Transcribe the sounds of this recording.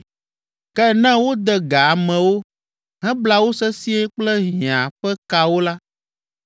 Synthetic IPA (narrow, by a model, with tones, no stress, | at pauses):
kɛ˦nɛ̃˦wo˦d̪ɛ˨ɡa˨a˨mɛ̃˨wo˦ | ɦɛ̃˦bla˦wo˦sɛ˦si˦e˦k͡plɛ˦ɦĩ˨ã˨ɸɛ˦ka˨wo˦la˦